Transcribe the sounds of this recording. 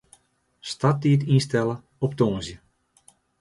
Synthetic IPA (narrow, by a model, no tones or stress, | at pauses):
stat̚iːtinstɛlə | ɔp̚toːnzjə